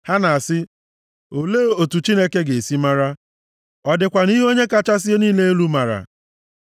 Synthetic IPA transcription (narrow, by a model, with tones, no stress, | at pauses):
ha˦na˨a˨sɪ˦ | o˨le˦o˨tu˨t͡ʃi˦ne˦ke˦ɡe˨si˦ma˦ɾa˦ | ɔ˨dɪ˨kʷa˨ni˦ɦo˦ɲe˦ka˦t͡ʃa˦s̬ɪ˦e˦niː˦le˦e˦lu˦ma˨ɾa̰˨